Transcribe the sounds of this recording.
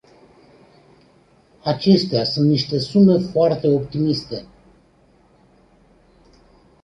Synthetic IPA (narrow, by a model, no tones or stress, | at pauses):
at͡ʃe̞st̪easunt̪niʃt̪e̞sume̞foart̪e̞o̞pt̪imist̪e̞